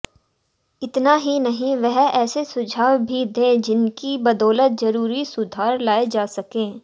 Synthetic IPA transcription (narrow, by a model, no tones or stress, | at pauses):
ɪt̪naɦinɐɦĩʋɛɦɛːsesʊd͡ʒʱaːwbʱid̪ẽːd͡ʒɪnkibɐd̪ɔːlət̪̚zɐɾuːɾisʊd̪ʱaːɾlaːed͡ʒaːsɐkẽː